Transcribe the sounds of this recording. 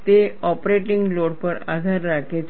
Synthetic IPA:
t̪eɔpɾeʈiŋɡloɽpəɾa̰d̪ʱaɾːakʰet͡s

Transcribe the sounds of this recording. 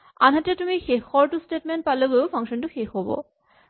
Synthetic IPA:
a̰nɦaʈet̪umixekhɔɾʈusʈeʈ̚menʈ̚palebewfʰaŋʃɔnʈuxekɦɔbo̰

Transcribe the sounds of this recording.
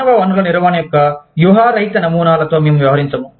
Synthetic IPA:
ɐʋaːʋɐnulɐniɾɐʋaːnɐjɔkːɐjuɦaːɾɐjt̪ɐnɐmuːnaːlɐt̪o̞ːmeːmuʋjɐʋɐɦɐɾiɲt͡ʃɐmu

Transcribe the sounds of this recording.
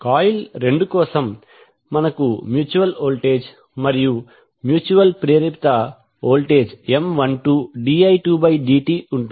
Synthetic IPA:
kaːjilɾe̞ɳɖukɔːsɐmː | ɐnɐkumjuːt͡ʃuʋɐloːlʈeːd͡ʒ | mɐɾiju | mjuːt͡ʃuʋɐlpɾeːɾipt̪ɐ | oːlʈeːd͡ʒemʋɐnʈuːɖiːɐjʈuːbɐjɖiːʈiːuɳʈui

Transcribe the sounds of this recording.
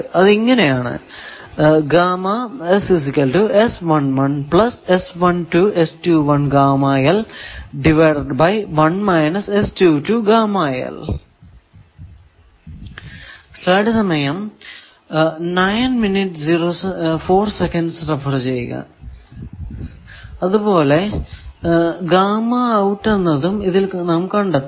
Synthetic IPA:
ɐðiŋːɐnejaːɳɨ̰ | ɡaːmaesis̬ikʲːɐlʈuesʋɐnʋɐnplɐsesʋɐnʈuʔestuʋɐnɡaːmaːjɐlɖiʋɐrʈbɐjʋɐnmɐjnɐsestuːtuɡaːmaːjɐ̰l | sɐːɽisɐmɐjɐm | nɐjnminiʈːziroːsfo̞ːrsekɐnɖsrɐfɐrt͡ɕejɣɐ̰ | ɐðubo̞ːle̞ | ɡaːmɐːwʈːenːɐðumiðilnaːmkɐɳɖɐ

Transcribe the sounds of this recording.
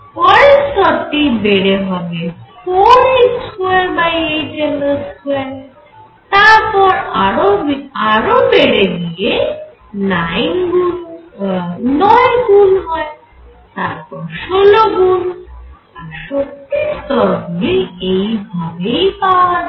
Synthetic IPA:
pɔɾest̪ɔt̪ːibeɽeɦɔbefʰoɾet͡sʰuaɾbajejʈeloskʰuan | t̪aɾpɔɾoaɾobeɽed̪ije | najmɡul | nɔjɡulɦɔe | t̪aɾpɔɾʃoloɡul | aɾʃot̪ːist̪ɔɾɡuliejbʱabejpawa

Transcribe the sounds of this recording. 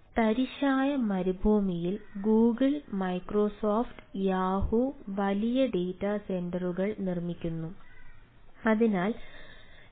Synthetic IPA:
t̪ɐɾiɕaːjɐmɐɾubʱuːmijilɡuːɡɨɭmɐjkroːsoːftɨ̥jaːhuʋɐlijɐɖeːtːɐse̞ndɐruɣɐɭnirmikʲːunːu | ɐðinaːl

